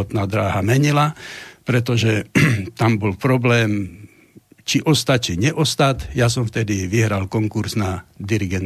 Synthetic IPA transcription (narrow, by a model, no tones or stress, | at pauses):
ɔt̪naːd̪ɾaːɦamɛɲilapɾɛt̪ɔʒɛt̪ambɔlpɾɔblɛːm | t͡ʃiʔɔst̪at͡ʃiɲɛʔɔst̪at̪jasɔmft̪ɛd̪iʋiɦɾalkɔŋkuɾznad̪iɾiɡɛn